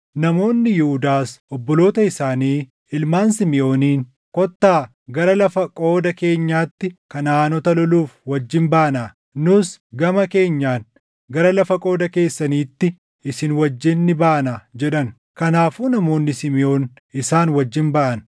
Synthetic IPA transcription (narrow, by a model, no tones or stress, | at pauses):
nɐmo̞ːnːɪjɪhʊd̪aːsʔɔbːɔlo̞ːt̪ɐɪsaːniː | ɪlmaːnsɪmɪʔo̞ːniːn | kɔt̪ːaː | ɡɐɾɐlɐfɐkʼo̞ːd̪ɐke̞ːɲːaːt̪ːɪkɐnaːnɔt̪ɐlɔluːfwɐd͡ʒːɪnbaːnaː | nʊsɡɐmɐke̞ːɲːaːn | ɡɐɾɐlɐfɐkʼo̞ːd̪ɐke̞ːsːɐniːt̪ːɪ | ɪsɪnwɐd͡ʒːɪnːɪbaːnaːd͡ʒɛᶑɐn | kɐnaːfuːnɐmo̞ːnːɪsɪmɪʔo̞ːn | ɪsaːnwɐd͡ʒːɪnbɐʔɐn